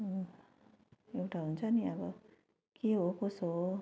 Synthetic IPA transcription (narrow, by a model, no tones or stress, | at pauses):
ekʈʰaɦunt͡sʰʌniʌbʌ | keɦokoso